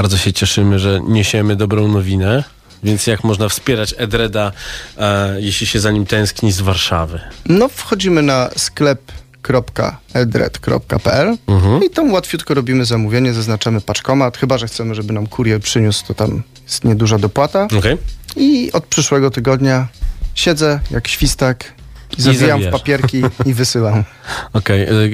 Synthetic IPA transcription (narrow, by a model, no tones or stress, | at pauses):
baɾd̪zɔɕɛt͡ɕɛʂɘmɘʐɛɲeɕɛmɘd̪ɔbɾɔ̃w̃nɔvʲinɛ | vʲjɛnt̪sjakmɔʐnafspʲjɛɾat͡ɕɛd̪ɾɛd̪a | jɛɕlʲiɕɛzaɲimt̪ɛ̃w̃skɲizvaɾʂavɘnɔfxɔd͡ʑimɘnasklɛp | kɾɔpka̰ɛd̪ɾɛ̰t̪kɾɔ̰p̚ka̰pɛ̰ʔɛl̩ɦ̩it̪ɔmwat̪fʲjut̪kɔɾɔbʲimɘzamuvʲjeɲɛzaznat͡ʂamɘpat͡ʂkɔmat̪xɘbaʐɛxt̪sɛmɘʐɛbɘnamkʰuɾʲjɛpʂɘɲust̪ɔt̪amjɛst̪ɲɛd̪uʐad̪ɔpwat̪aɔkɛjiɔt̪̚pʂɘʂwɛɡɔt̪ɘɡɔd̪ɲaɕɛd̪zɛjakɕfʲist̪akzaijamfpapʲjɛɾkʲiivɘsɘwam | ɔkɛj